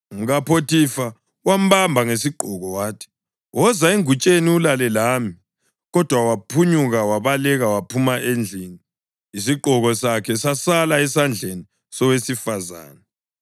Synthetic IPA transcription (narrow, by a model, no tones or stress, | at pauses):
ŋuɣapʰotifa | wam̩bambʱaŋesiǃʱɔɣɔwaːtʰɛ̥ | wɔzaeŋut͡ʃʼeniulalɛlaːmi | ɣɔd̥ʱwawapʰuɲuɣawaβalɛɣawapʰumaʔend͡ɮʱini | isiǃʱɔɣɔsakʰɛsasalaɛsand͡ɮʱeni | sɔwesifaza̰ːna